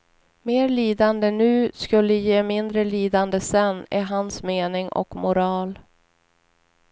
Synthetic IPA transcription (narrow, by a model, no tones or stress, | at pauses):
meːɾliːd̪and̪ənʉ̟ːskɵlːəjeːmɪnd̪ɾəliːd̪and̪əsɛnːɛɦansmeːnɪŋʔɔ̰kmʊɾɑːl